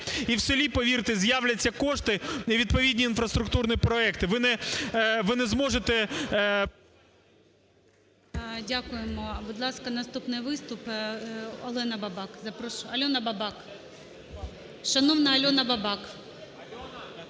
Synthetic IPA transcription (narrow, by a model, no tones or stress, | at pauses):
iwsɪlʲipɔʋʲiɾt̪ɪzjawlʲɐt͡sʲːɐkɔʃt̪ɪiʋʲid̪pɔʋʲidʲnʲiːnfɾɐst̪ɾʊk̚t̪urnʲipɾɔɛkt̪ɪʋɪnɛ | ʋɪnɛzmɔʒet̪ɛ | dʲakʊjemɔbʊd̪lˠɑskɐnɐst̪upnɪjʋɪst̪ʊp | ɔlˠɛnɐbɐbɑkzɐpɾɔʃʊɐlʲɔnɐbɐbɑk | ʃɐnɔʋnɐɐlʲɔnɐbɐbɑk